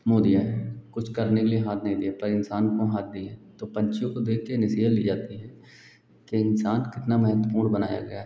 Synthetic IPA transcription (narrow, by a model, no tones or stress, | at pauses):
moːd̪ijaɛkʊt͡ʃʰkɐɾnekelieɦaːt̪̚ʰnəɦĩd̪iapɐɾɪnsaːnkoɦaːt̪̚ʰd̪iẽt̪opɐ̃ɲt͡ʃijõkod̪eːkʰːenɪsiːɦəlliːd͡ʒaːt̪iɦɛː | keɪnsaːnkɪt̪namɛɦət̪wəpuːɾbɐna̰ːja̰ɡɐjaɦɛ